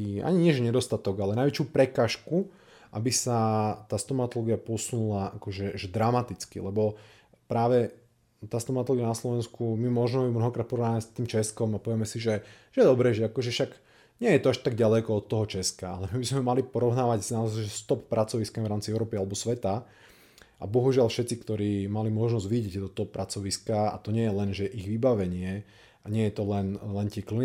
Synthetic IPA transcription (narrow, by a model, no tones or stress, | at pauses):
a̰ɲiɲɪɛʒɛɲɛd̪ɔst̪at̪ɔɡalɛnajʋɛt͡ʃjuːpɾɛkaːʃku | ʔabisat̪aːst̪ɔmat̪ɔlɔɡiapɔsunulaakɔʒɛʒɛd̪ɾamat̪it͡skḭlɛbɔ | pɾaːʋɛ | t̪aːst̪ɔmat̪ɔlɔɡianaslɔʋɛnskumimɔʒnɛimnɔɦɔkɾaːt̪̚pɔɾɔʋnaːɛst̪iːmt͡ʃɛskɔmapɔʋjɛmɛsiʒɛʒ̥ɛjɛd̪ɔbɾɛːʒɛakɔʒɛfʃaɡ | ɲɪɛjɛt̪ɔaʃt̪aɡ̚ɟalɛkɔɔt̪ːɔɦɔt͡ʃɛskaa̰lɛmibizmɛmalipɔɾɔʊnaːʋaɟsnaɔzaɪʒɛst̪ɔppɾat͡sɔʋiskamivɾaːmt͡siɛʊɾɔːpialɛbɔsʋɛt̪a | ʔa̰bɔɦuʒɪalfʃɛt̪t͡sikt̪ɔɾiːmalimɔʒnɔzʋiɟɛccɛd̪ɔt̪ɔɦɔpːɾat͡sɔʋiskaa̰t̪ɔɲɪɛjɛlɛnʒɛʔiɣʋibaʋɛɲɪɛ | aɲɪɛjɛt̪ɔlɛnlɛnt̪ɪɛkli